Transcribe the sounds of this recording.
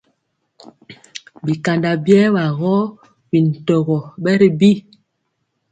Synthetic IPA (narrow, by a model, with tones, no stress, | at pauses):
bi˨ka˨nda˨bjɛː˦ba˨ɣɔ˦ | bi˨n̩˨tɔ˨ɣɔ˨bɛ˦ɾi˨bi˦˨